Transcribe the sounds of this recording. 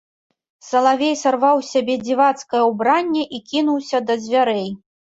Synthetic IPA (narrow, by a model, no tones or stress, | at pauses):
sɐlˠavʲejsarvawsʲabʲɛd͡zʲivat̪skɐjɐwbɾanʲːɛʔikʲinuwsʲɐd̪ɐzʲvʲaɾɛj